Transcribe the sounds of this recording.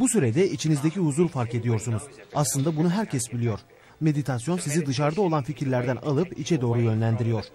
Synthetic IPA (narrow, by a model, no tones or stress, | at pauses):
busyɾed̪ɛit͡ʃʰinizd̪ecʰihuzuɾfaɾke̞d̪ijo̞ɾsunuzaslˠɯnd̪abunuɦæɾcʰɛsbilʲijo̞ɾ̥ | me̞d̪it̪ʰasjo̞nsizid̪ɯʃ̬aɾd̪ao̞lˠanficʰiɾlʲæɾd̪æna̰lˠɯpit͡ʃʰɛd̪o̞ːɾujø̞nlʲænd̪iɾijo̞ɾ̥